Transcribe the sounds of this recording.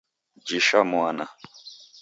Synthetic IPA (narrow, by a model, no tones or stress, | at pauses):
d͡ʒiʃamuana